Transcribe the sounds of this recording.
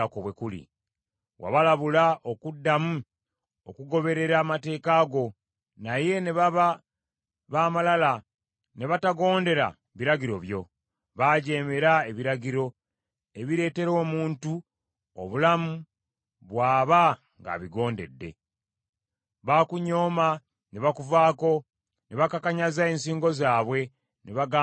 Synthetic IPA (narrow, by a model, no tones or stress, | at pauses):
akoβwe̞kulḭ | wa̰βalaβulaʔo̞kudːamu | okuɡo̞βe̞ɾe̞ɾaːmate̞ːkaːɡo̞ | naje̞ne̞βaβa | βaːmalala | ne̞βataɡo̞ːnde̞ɾa̰ | βiɾaɟiɾo̞βjo̞ | βaɟe̞ːme̞ɾae̞βiɾaɟiɾo̞ | e̞βiɾe̞ːte̞ɾo̞ːmuːntu | o̰βulamu | βwaːβa | ŋɡa̰ːβiɡo̞ːnde̞̰dːe̞̰ | βakuɲo̞ːma | ne̞βakuvaːko̞ | ne̞βakakaɲazae̞ːnsiːŋɡo̞zaːβwe̞ | neβaɡaː